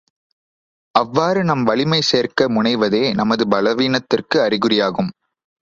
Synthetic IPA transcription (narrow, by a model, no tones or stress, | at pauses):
ɐʋːaːɾɯnɐmʋɐɭɪmɐɪseːrkɐmʊɳɐɪʋɐðeːnɐmɐðɯbɐlɐʋiːnɐt̪ːɪrkɯɐɾɪɣɯrɪjaːɣɯm